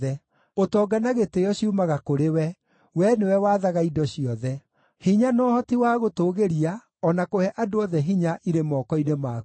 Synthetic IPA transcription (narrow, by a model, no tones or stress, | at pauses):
ɛ | otɔːɡanaɣetejɔɕiumaɣakoɾewɛ | wɛnewɛwaðaɣaidɔɕiɔðɛ | hiɲanɔːhɔtiwaɣotoːɣeɾia | ɔnakohɛʔadoɔðɛɦiɲaʔiɾemɔːkɔinema